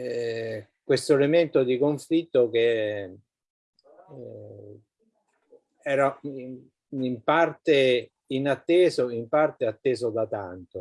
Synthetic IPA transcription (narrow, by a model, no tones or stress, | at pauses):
kwest̪oelement̪od̪ikoɱflit̪ːok̟e | ɛːɾa | impart̪e | inat̪ːeːzoimpart̪eat̪ːeːzod̪at̪ant̪o